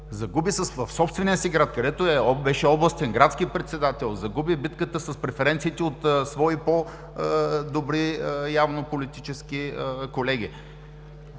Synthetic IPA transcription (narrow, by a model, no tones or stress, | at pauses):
zɐɡubisəsvɐfsɔpst̪vɛniəsiɡɾat̪kɐd̪ɛt̪oɛbɛʃɛɔblˠɐst̪ɛnɡɾat̪skipɾɛt̪sɛd̪at̪ɛlˠzɐɡubibit̪kət̪əsɐspɾɛfɛɾɛnt̪siːt̪ɛot̪svɔipo | d̪obɾiəjavnopolit̪it͡ʃɛskiəkolɛɡ̟ʲi